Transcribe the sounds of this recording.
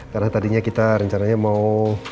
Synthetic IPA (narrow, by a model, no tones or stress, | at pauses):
kaɾənat̪adiɲakit̪aɾəɲt͡ʃanaɲamau